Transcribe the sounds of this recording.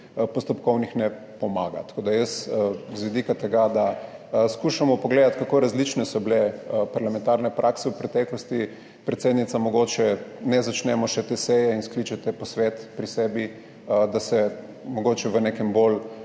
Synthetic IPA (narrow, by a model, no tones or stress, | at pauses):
pɔst̪ɔpkɔwnixnɛ | pɔmaːɡa̰t̪ḁkoːd̪ajəszʋid̪ikat̪ɛɡad̪askuʃamɔpɔɡleːd̪at̪kakoɾazlit͡ʃnɛsɔblɛpaɾlamɛ̃nt̪aɾnɛpɾʔaksɛwpɾɛt̪ɛklɔst̪i | pɾɛt̪sed̪nit̪samɔɡot͡ʃɛnɛzat͡ʃnɛmɔʃɛt̪esɛjɛinsklit͡ʃɛt̪ɛpɔsʋɛt̪pɾisɛːbi | d̪asɛ | mɔɡoːt͡ʃɛʋənekɛmbol